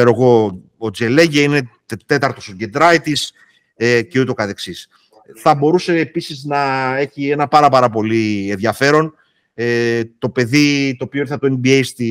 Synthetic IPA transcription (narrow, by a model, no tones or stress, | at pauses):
eɾoeɣo̞ | od͡zieleʝeine̞ | t̪e̞t̪ɐɾt̪osoɟe̞nd̪ɾɐit̪is | ecet̪o̞kɐt̪e̞ksis | θɐbo̞ɾuse̞ːpisiznɐe̞çie̞nɐpɐɾɐpɐɾɐpo̞lienðʝɐfe̞ɾo̞n | et̪o̞pe̞ðit̪oːpioiɾθɐt̪oenbiejst̪i